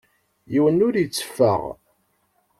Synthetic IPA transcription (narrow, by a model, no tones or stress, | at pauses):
jiwənːʊɾjit͡sːə̥fːə̰ʁ